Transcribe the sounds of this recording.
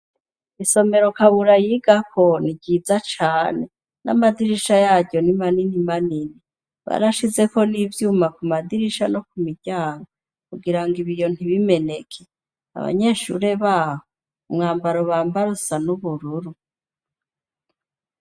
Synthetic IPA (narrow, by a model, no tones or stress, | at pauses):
iso̞me̞ɾo̞kaβuɾajiɡakʰo̞niɡiːzat͡ʃaːne̞ | na̰madiɾiʃajaːɟɟo̞nimaninimanini | βa̰ɾaʃize̞ko̞nivjuːmakumadiɾiʃano̞kumiɟaːŋɡo | kuɡiɾaŋɡiβijo̞n̥hiβime̞ne̞kʰe | a̰βa̰ɲe̞ːʃṵɾe̞βaːho | umŋaːmbaɾoβaːmbaɾusanuβuɾuɾu